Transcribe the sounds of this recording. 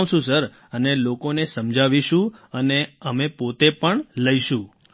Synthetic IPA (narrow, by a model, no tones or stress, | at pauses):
ʃũsəɾ | ənelokonesəmd͡ʒʱaʋiʃũəneəmepot̪epəɳləiʃũ